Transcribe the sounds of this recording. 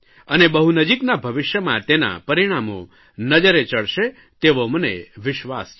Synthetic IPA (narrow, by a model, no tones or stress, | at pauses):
ənebəɦunəd͡ʒiknabʱəʋɪʃjəmãt̪ena̰pəɾiɽ̃amo̰ | nəd͡ʒəɾet͡ʃəɭʃe | t̪eʋomənḛʋɪʃʋas